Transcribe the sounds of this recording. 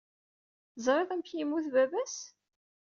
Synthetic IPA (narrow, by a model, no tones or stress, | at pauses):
zˤɾˤeðˤæmçjimːuθvævæs